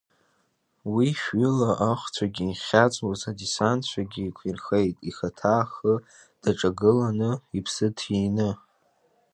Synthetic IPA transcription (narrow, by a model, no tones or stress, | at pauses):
wiʃɥʏlaʔaχʷt͡sʷʰaɡʲinχʲat͡sʼwazadisant͡ɕʷʰaɡʲiːkʷʰirxejtʼixatʰaːχə | d̥aʈ͡ʂʼaɡɨlanɨipʰsɨtʰinɨ